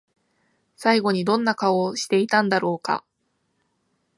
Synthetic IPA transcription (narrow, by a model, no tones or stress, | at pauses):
saiɡo̞ɲ̟id̪õ̞nːakaoɕi̥t̪e̞it̪ãnd̪aɾo̞ːka̰